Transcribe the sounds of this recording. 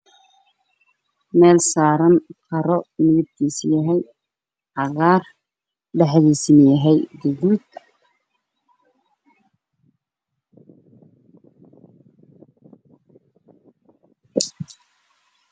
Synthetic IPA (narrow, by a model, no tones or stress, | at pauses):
mɛːlsaːɾɐnkʰɐɾɔɪnɣɪb̚t̪ʰiːsjɐɦɛj | ʕɑɣaːr | ɖɛħðiːsɪnjɐɦɛjd̪ɪɣuːd̪